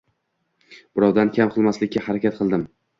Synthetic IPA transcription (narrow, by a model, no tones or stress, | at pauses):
b̥ɪɾɒwd̪ankʲʰamqʰɨlˠmaslɪkʲːahaɾakʲat̪̚qʰɨlˠd̪ɪm